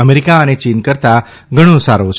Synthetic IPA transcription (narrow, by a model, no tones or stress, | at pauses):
əmeɾikaənet͡ʃinkəɾt̪a | ɡʱəɽ̃õsaɾot͡ʃʰ